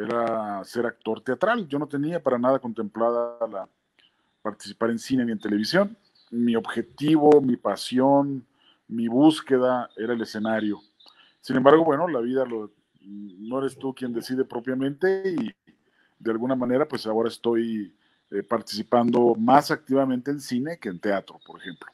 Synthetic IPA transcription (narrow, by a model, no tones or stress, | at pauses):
e̞ɾase̞ɾak̚t̪o̞ɾt̪e̞at̪ɾalɟ͡ʝo̞no̞t̪e̞niapaɾanað̞ako̞nt̪e̞mplaðala | paɾt̪isipaɾe̞nsinenient̪ele̞βisjo̞n | mio̞βxe̞t̪iβo̞mipasjo̞n | miβuske̞ðae̞ɾae̞le̞senaɾjo̞ | sinembaɾɣo̞βwe̞no̞laβiðalo | no̞e̞ɾe̞st̪ukje̞nd̪e̞siðe̞pɾo̞pjamẽ̞nt̪e̞i | ðealɣunamãne̞ɾapwe̞sao̞ɾaest̪o̞j | paɾt̪i̥sipand̪o̞masak̚t̪iβamẽnt̪eːnsine̞keːnt̪e̞at̪ɾopo̞ɾexe̞mplo